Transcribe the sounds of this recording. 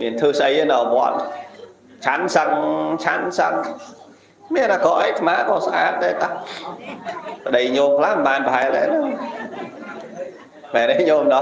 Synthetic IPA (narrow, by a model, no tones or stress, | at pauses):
miənt̪ʰɨːsʔəjənaʋoət̪̚ | t͡ɕʰansəŋt͡ɕʰansəŋ | miənaːkɔʔaɛj̚t̪ʰmaːʔkɔsʔaːt̪̚ɗaɛt̪a | pəɗəjɲoːmkʰlahmɓaːnpəɦaɛlɛ̰nəŋ | manɛɲoːmɗɑ